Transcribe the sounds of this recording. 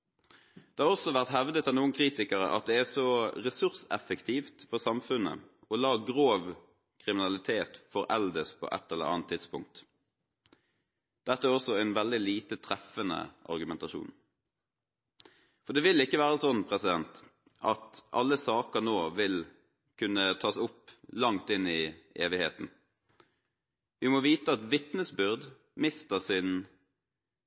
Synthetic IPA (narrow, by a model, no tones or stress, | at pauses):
d̪̥ɛhɑʁɔsɔʋæʁt̪hɛʋd̪ət̪ʰɑnuːənkʰʁiːt̪ɪkəɾə̰ʔɑ̰t̪̚d̪ɛæsɔʁɛsʉʁsɛ̰fəkt̪ʰiːft̪pʰɔsɑmfʉnə̰ | ɔlɑːɡʁoːʋ | kʰʁɪmɪnɑlɪt̪ʰeːt̪fɔɾɛld̪əspʰɔ̰ːʔɛ̰t̪ːɛlːə̰ɑ̰ːnt̪ʰːɪt̪spʊ̰ŋk̚t̪ | d̪̥ɛt̪ːəæɾɔsɔɛɪnʋɛld̪ɪliːt̪ət̪ʰʁɛfənə̰ʔɑ̰ʁɡʉmɛnt̪ɑʃṵːn | fɔd̪ɛʋɪlːɪkːəʋæːʁəsɔnpʰʁɛsɪd̪ɛnt̪ | ʔɑt̪ʔɑ̰lːəsɑːkənoːʋɪl | kʰʉnːət̪ʰɑːsʊpːlɑŋt̪ɪnːɪeːʋɪheːt̪n̩ | ʋɪmɔʋiːt̪əɑt̪ʋɪt̪nəsbʏʁd̪ | mɪst̪əʁsɪn